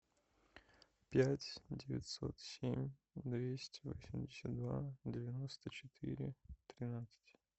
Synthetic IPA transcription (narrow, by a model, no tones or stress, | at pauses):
pʲætʲdʲɪvʲɪ̰tʲso̞̰t̪sʲemʲ | d̪vʲesʲtʲɪvosʲɪmʲdʲɪsʲət̪̚d̪vadʲɪvʲɪno̞st̪ət͡ɕɪ̥t̪ʰɨ̰ɾʲɪt̪ɾʲɪnat̪sɨ̥tʲ